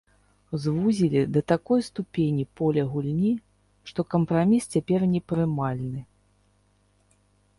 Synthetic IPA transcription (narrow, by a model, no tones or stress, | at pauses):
zvuzʲilʲid̪ɐt̪akɔjst̪upʲenʲipɔlʲɐɣulʲnʲi | ʂt̪ɔkɐmpɾamʲist͡sʲapʲɛrnʲɛpɾɨmalʲnɨ